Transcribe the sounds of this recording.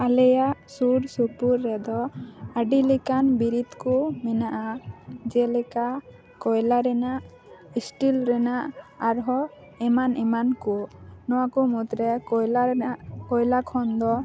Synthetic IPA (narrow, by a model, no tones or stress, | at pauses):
alɛjaʔsuɾsuɾpuɾːɛd̪ɔaɖilikanbiɾit̪kumɛnaʔad͡ʒɛlɛka | kɔjlaɾɛnaʔ | isʈilɾɛnaʔaɾɦɔ | ɛmanɛmankunɔwakumut̪ɾɛ | kɔjlakʰɔnd̪ɔ